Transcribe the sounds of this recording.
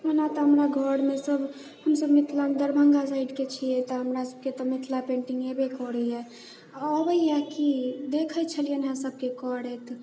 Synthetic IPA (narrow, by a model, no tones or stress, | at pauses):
ɦənat̪ɔɦəmɾaɡʱəɽmesəb | həmsəbmit̪ʰland̪əɾbʱəŋɡasaiɖket͡ʃʰiet̪ɔɦəmɾasəb̚ket̪ɔmit̪ʰlapẽɳʈiŋɡebekɔɾəjɛ | əbəjakid̪ekʰət͡ʃʰəlijənɦãsəb̚kekɔɾɛt̪ʰ